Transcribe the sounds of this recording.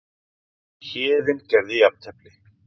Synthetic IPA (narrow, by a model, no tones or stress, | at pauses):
çɪːðɪncɛɾðiap̚t̪ʰɛplɪ